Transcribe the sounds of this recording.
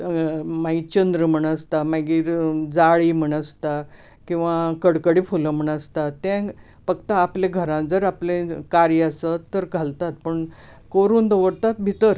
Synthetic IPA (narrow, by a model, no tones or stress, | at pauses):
mait͡ɕənd̪ɾəm̤əɳəst̪amaɡiːɾd͡zaɭiːm̤əɳəst̪a | kĩw̃ʋakəɽkəɽifuləm̤əɳəst̪at̪ːɛ̃ | fəkt̪aːplẽɡʱəɾãnd͡zəɾaplẽkaɾjəəsət̪ːəɾɡʱalt̪at̪pəɳ | koɾuːnd̪əʋəɾt̪at̪bʱit̪əɾ